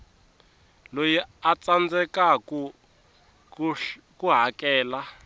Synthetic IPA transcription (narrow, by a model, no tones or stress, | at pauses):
lojiat͡sand͡zɛkak | kuɦakɛːla